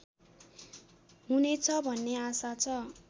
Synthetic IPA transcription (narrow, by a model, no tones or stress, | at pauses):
ɦunet͡sʰʌbʱʌnːeasat͡sʰʌ